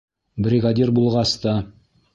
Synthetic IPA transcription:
brʲiɡadʲirbulˠʁɑst̪ɑ

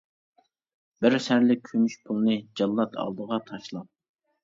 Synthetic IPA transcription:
b̥ɪɾsæɾlɪk̚ʲkʲʰømyʃpʰulˠɨnɨd͡ʒɑlˠːɑt̪ʰɑ̰lˠd̪əʁɑt̪ʰɑʃlˠɑp̚

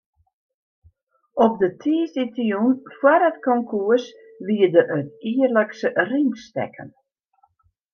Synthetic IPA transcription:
ɔp̚dətʰiːsitjunfwaɾətkɔŋkʰuəs | ʋiːdəɾət̚iːərləksəriŋstɛ̰kʰə̰n

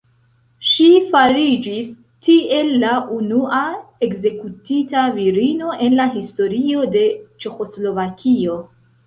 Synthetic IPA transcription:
ʃifaɾid͡ʒis | tie̞lːaʔunuʔae̞kze̞kutitaviɾino̞ʔe̞nlaɦisto̞ɾio̞de̞t͡ʃe̞xo̞slo̞vakʰio̞

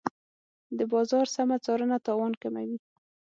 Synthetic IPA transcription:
d̪əbɑzɑɾsamat͡sɑɾənat̪ɑwɑnkama̰wi

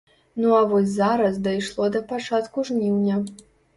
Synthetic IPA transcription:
nuavɔsʲzaɾɐsd̪ɐjʂlˠɔd̪ɐpat͡ʂat̪kuʐnʲinʲːɐ

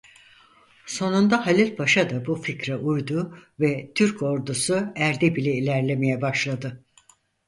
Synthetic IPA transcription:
so̞nund̪ahalʲilʲpʰaʃad̪abuficɾɛʔujd̪uvɛt̪ʰyɾkʰo̞ɾd̪usuæɾd̪ɛbilʲɛilʲæɾlʲe̞me̞jɛbaʃlˠad̪ɯ

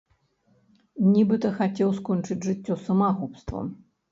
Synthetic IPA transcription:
nʲibɨt̪ɐxat͡sʲɛwskɔnʲt͡ʂɨd͡zʲʐɨt͡sʲːɔsɐmaɣupst̪vɐ̰m

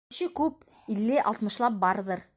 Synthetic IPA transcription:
ɕɘkʉp̚ | ilːɘʔɑ̰lˠt̪mɤ̆ʃlˠɑp̚bɑɾðɤɾ

